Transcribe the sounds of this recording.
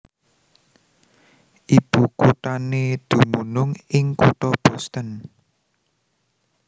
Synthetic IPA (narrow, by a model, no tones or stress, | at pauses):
ʔib̥ukuʈ̪aned̪̥ṳmunʊŋɪŋkoʈ̪ɔb̥ɔst̪ən